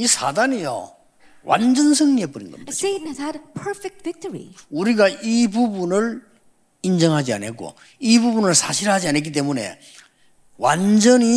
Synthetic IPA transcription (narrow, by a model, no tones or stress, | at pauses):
isʰa̰danijo̰ | wʔa̰nd͡ʑʌnsʰɯŋɲiep͈uɾinɡʌ̰maenzadpʰə˞fɛk̚tvɪk̚təɹḭuɾiɡaibubunɯɭ | ind͡ʑʌŋɦad͡ʑia̰nek͈o̰ | ibubunɯɭsʰaɕʰiɾɦad͡ʑianek̬͈it̬͈emune̞̰ | wa̰nd͡ʑʌni